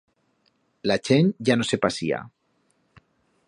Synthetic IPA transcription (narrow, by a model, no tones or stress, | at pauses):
lat͡ʃenɟ͡ʝano̞se̞pasia̰